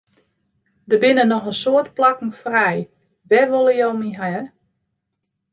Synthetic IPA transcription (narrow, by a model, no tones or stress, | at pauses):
dəbɪnənɔxənsoətplakn̩frɛj | ʋɛʋolˠəjowmiɦa